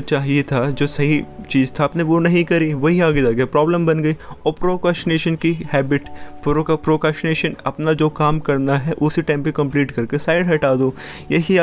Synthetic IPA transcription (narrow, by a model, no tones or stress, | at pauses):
t͡ʃaːɦiet̪ʰad͡ʒoːsɐɦit͡ʃiːzt̪ʰaːpneʋonɐɦĩkɐɾiʋɐɦiaːɡed͡ʒaːɡeapɾɔːbləmbɐnɡɐiɔːɾpɾoːkɾɛːsʈɪneːʃənkihɛːbɪʈpɾpɾoːkɾɛːsʈɪneːʃənɐpnad͡ʒoːkaːmkɐɾnaɦɛʔʊsiʈãɪmpekɐ̃mpliːʈkɐɾkesaːɪɖɦɐʈaːd̪oː | jɐɦi